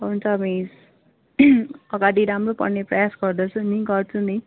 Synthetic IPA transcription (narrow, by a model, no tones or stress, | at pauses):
ʌɦunt͡sʰʌmis | ʌɡaɽiɾamropʌ̰rneprʌjasɡʌrd̪ʌt͡sʰunĩɡʌrt͡sʰuni